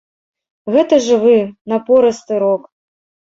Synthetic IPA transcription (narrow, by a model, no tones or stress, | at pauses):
ɣɛt̪ɐʐɨvɨnɐpɔɾɐst̪ɨɾɔk